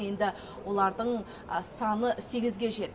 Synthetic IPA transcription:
je̞nd̪ɪ | wo̞lˠɑɾd̪əɴ | sɑnəse̞ɡʲɪzɡʲe̞ʒe̞t̪ː

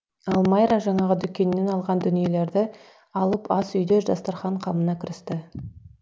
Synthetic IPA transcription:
ɑlˠmɑjɾaʒɑɴɑʁəd̪ʏkʲːe̞nːe̞nɑlˠʁɑnd̪ʏnije̞le̞ɾd̪ɪ | ɑlˠəpɑsʏjd̪eʒɑst̪ɑɾχɑɴqʰɑmənɑkʲʰɪɾɪst̪ɪ

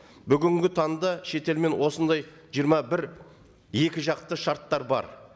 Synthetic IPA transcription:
bʏɡʲɪŋɡʲɪt̪ʰɑnd̪ɑʃe̞t̪e̞lme̞nwo̞sənd̪ɑj | ʒijəɾmɑbɪɾ | je̞kʲɪʒɑqt̪əʃɑɾt̪ːɑɾbɑ̰ɾ

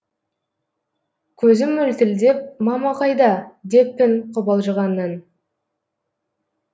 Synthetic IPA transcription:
kʲʰɵzɪmːɵlt̪ɪld̪e̞p̚mɑmɑqɑjd̪ɑd̪e̞pːɪnqʰʊbɑlˠʒəʁɑnːən

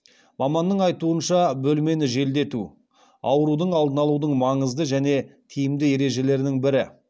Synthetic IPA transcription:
mɑmɑnːəɴɑjt̪uənʃɑbɵlme̞nɪʒe̞ld̪e̞t̪u | ɑ̰wəɾud̪əɴɑlˠd̪ənɑlˠud̪əɴmɑɴəzd̪əʒæne̞t̪ʰijɪmd̪ɪe̞ɾe̞ʒe̞le̞ɾnɪŋbɪɾɪ

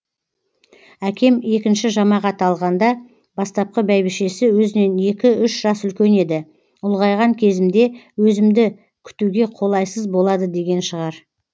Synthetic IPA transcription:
ækʲe̞me̞kʲɪnʃɪʒɑmɑʁɑt̪ɑlˠʁɑnd̪ɑ | bɑst̪ɑp̚qəbæjbɪʃe̞sɪwɵzɪne̞ne̞kʲɪʏʃʒ̥ɑsʏlkʲe̞ne̞d̪ɪ | ʊlˠʁɑjʁɑŋkʲʰe̞zɪmd̪e̞wɵzɪmd̪ɪ | kʲʰʏ̥t̪uɡʲe̞qʰo̞lˠɑjsəzbo̞lˠɑd̪əd̪e̞ɡʲe̞nʃəʁɑɾ

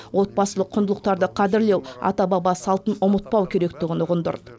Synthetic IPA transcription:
wo̞t̪̚bɑsəlˠəqʰːʊnd̪əlˠəq̚t̪ɑɾd̪əqʰɑd̪ɪɾle̞wɑ̰t̪ɑbɑbɑsɑlˠt̪ənʊmət̪̚pɑwkʲʰe̞ɾe̞kt̪ɪɡʲɪnʊʁənd̪ə̰ɾd̪ə

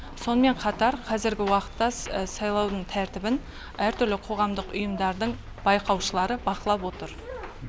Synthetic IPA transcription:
so̞nəme̞ɴqʰɑt̪ɑɾqʰɑzɪɾɡʲɪwɑqə̥t̪ːɑsɑjlˠɑwd̪əɴt̪ʰæɾt̪ɪbɪn | æɾt̪ʰʏɾlɪqʰo̞ʁɑmd̪əqʊjəmd̪ɑɾd̪əɴ | b̥ɑjqɑwʃəlˠɑɾəbɑqəlˠɑpwo̞t̪əɾ

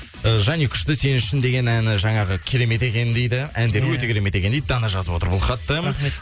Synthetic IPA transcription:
əʒænikʲʰʏ̥ʃt̪ɪse̞nɪʃɪnd̪e̞ɡʲe̞nænɪʒɑɴɑʁəkʲʰe̞ɾe̞me̞t̪e̞kʲe̞nd̪e̞jd̪ɪænd̪e̞ɾɪwɵt̪e̞kʲʰeɾe̞me̞t̪ekʲe̞nejd̪d̪ɑnɑʒɑzəpwo̞t̪əɾbʊlˠχɑt̪ːə

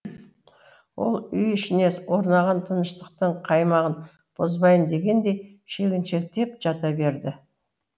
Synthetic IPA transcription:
wo̞̰lˠʏjɪʃɪne̞swo̞ɾnɑʁɑnt̪ʰənəʃt̪əq̚t̪əɴqʰɑjmɑʁən | b̥ozbɑjənd̪e̞ɡʲe̞nd̪e̞j | ʃe̞ɡʲɪnʃe̞k̚t̪ʰe̞p̚ʒ̥ɑt̪ɑbe̞ɾd̪ɪ

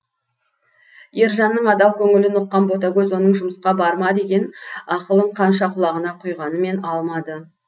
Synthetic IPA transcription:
je̞ɾʒɑnːəɴɑd̪ɑwkʲʰɵŋɪlɪnʊqːɑnbo̞t̪̬aɡʲɵzwo̞nəɴʒʊməsqɑbɑɾmɑd̪e̞ɡʲe̞nɑqəlˠəɴqʰɑnʃ̬ɑqʰʊlˠɑʁənɑqʰʊjʁɑnəme̞nɑlˠmɑd̪ə

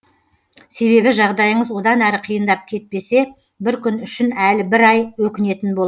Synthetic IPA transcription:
se̞βe̞βɪʒɑʁd̪ɑjəɴəzwo̞d̪ɑnæɾɪqʰəjənd̪ɑp̚kʲʰe̞t̪̚pe̞se̞ | bɪɾkʲʏnʏʃɪnælɪbɪɾɑjwɵkʲɪne̞t̪ɪnbolˠ

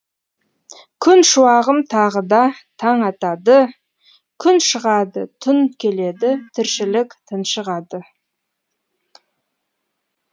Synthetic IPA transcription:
kʲʰʏnʃuɑʁəmt̪ʰɑʁəd̪ɑt̪ʰɑɴɑt̪ɑd̪ə | kʲʰʏnʃəʁɑd̪ət̪ʰʊnkʲʰe̞le̞d̪ɪt̪ʰɪɾʃɪlɪkʲt̪ʰənʃəʁɑd̪ə

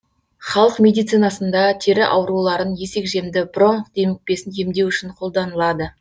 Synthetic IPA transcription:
χɑlˠəqmʲe̞d̪ijt̪sɨjnɑsənd̪ɑt̪ʰeɾɪʔɑwɾulˠɑɾənje̞se̞kʒe̞md̪ɪbro̞ɴqd̪e̞mɪk̚pe̞sɪnje̞md̪e̞wʏʃɪɴqʰo̞lˠd̪ɑnəlˠɑd̪ə

